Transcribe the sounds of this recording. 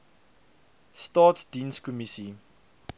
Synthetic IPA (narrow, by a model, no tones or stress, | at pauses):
stɑːtdĩːnskɔmiti